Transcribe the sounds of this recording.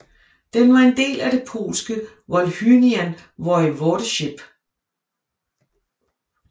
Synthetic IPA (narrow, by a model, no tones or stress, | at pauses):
d̥enʋɑ̈e̝nd̥e̝̰ːlæd̥e̝pʰo̝̰ːlsɡ̥ə | ʋɒlhyniæn | ʋɒɪʋɒːɾ̥əɕeb̥